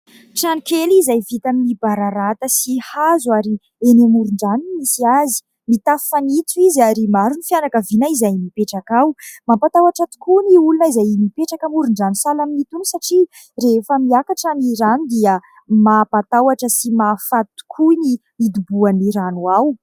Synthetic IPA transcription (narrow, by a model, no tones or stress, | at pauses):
ʈ͡ʂanikelizajvit̪aminibaɾaɾat̪əsihazuaɾi | enemuɾuɳɖ͡ʐanimisiazi̥ | mit̪affanit͡s̪uiziaɾimaɾunifjanakəvinaizajmipeʈ͡ʂakawmapat̪awaʈ͡ʂət̪u̥kʰuniulunəizajmipeʈ͡ʂakəmuɾuɳɖ͡ʐansalaminit̪unisaʈ͡ʂi | refəmiakaʈ͡ʂaniɾanud̪iə | mapat̪awaʈ͡ʂəsimafat̪u̥kʰuni | id̪ubuaniɾanuaw